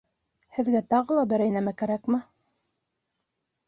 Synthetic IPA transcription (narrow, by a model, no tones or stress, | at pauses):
hɘ̆ðɡæt̪ɑʁɤlˠɑbɘ̆ɾæjnæmækæɾækmɘ